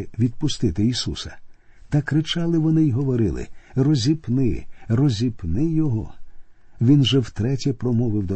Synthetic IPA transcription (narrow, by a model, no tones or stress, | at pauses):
ɪʋʲid̪̚pʊst̪ɪt̪ɪisṵsɐ̥ | t̪ɐkɾɪt͡ʃɑlˠɪʋɔnɪiɦɔʋɔɾɪ̰lˠɪ̰rɔzʲipnɪ̰rɔzʲipnɪjɔɦɔ | ʋʲinʒɛwt̪ɾɛtʲipɾɔmɔʋɪwd̪ɔ